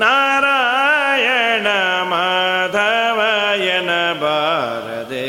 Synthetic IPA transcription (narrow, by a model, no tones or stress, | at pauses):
naːɾaːjɐɳɐmaːd̪ʱɐʋɐjɐnɐbʱaːɾɐ̰d̪e